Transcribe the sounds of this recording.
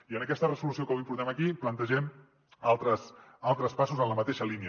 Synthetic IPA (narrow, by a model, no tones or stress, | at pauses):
iənəkɛst̪ərəzulusiokomimpuɾt̪ɛməkiplənt̪əʒɛm | alˠt̪ɾəsalˠt̪ɾəspasuzənləmət̪eʃəliniə